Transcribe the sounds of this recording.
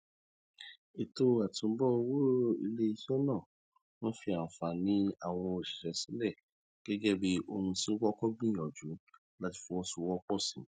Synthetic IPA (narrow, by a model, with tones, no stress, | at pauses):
i˨to˧a˨tũ˨˦bɔ˦o˧wo˦ḭ˧le˦i˧ʃɔ˦nãː˦˨ | wɔ̃˦fi˧a˨fa˨nĩ˦a˦˨w̃ɔ̃˧o˨ʃi̥˨ʃɛ˨sĩ˨˦lɛ˦˨ | ɡ̥ɛ˦d͡ʒɛ˦bi˦o˧hũ˧sĩ˦wɔ˦kɔ˦ɡ͡bĩ˦˨ɔ˨d͡ʒu˨˦ | la˦ti̥˧fũ˧wɔ̃˦su˧˦wɔ˦k͡pɔ˦˨sĩ˨